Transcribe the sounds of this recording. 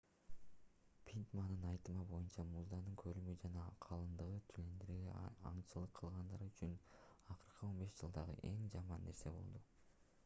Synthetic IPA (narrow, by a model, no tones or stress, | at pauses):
pʲʰint̪manːɯnɑjt̪ɯmɑbo̞junt͡ʃɑmuzd̪ɑnɯŋkʰølymyd͡ʒɑnɑqʰɑlˠɯnd̪ɯʁɯt̪ʰylend̪eɾɡḛɑ̰ɴt͡ʃɯlˠɯqʰːɯlˠʁɑnd̪ɑɾyt͡ʃynɑqɯɾqʰɯo̞nbe̞ʃd͡ʒɯlˠd̪ɑʁɯ̰ʔe̞ŋd͡ʒɑmɑnːe̞ɾse̞bo̞̰lˠd̪u